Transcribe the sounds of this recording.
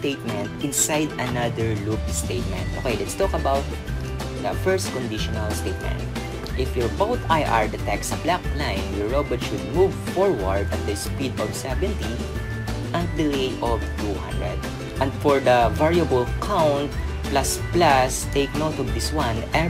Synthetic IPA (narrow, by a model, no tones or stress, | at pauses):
t̪ejt̪̚mɛ̃nt̪ɪ̃nsajd̪ɐnad̪əɹlukst̪ejt̪̚mɛ̰̃nt̪ʔo̰kejlɛt̪st̪ɔkɐbawt̪̚ | d̪ɐfɛɹst̪̚kɔ̃nd̪ɪʃɔnalst̪eɪt̪̚mɛ̰̃nt̪̚ | ʔɪfjɔɹfawt̪ajʔa̰ɹd̪ɛt̪ɛksɐblak̚plãjnjɔɹːobɔt̪ʃʊd̪̚muvfɔɹwɐɹd̪ɐt̪̚d̪ɐspid̪ɔvsɛvɛ̃nt̪i | ʔɐ̃nt̪̚d̪ɪlejʔɔvt̪uhã̰nd̪ɹɛ̰d̪̚ | ʔɛ̃nd̪fɔɹd̪ɐvaɹiɐbəlkʰawnt̪̚ | plasplast̪ejk̚noʊt̪ɔvd̪ɪswãnʔɛ